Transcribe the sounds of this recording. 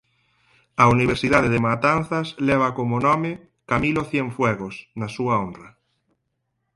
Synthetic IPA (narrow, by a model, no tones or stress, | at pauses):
ɐuniβ̞eɾsiðaðeðemat̪an̟θaslɛβ̞akomonɔme | kamiloθjɛɱfwɛɣosnasuaonrɐ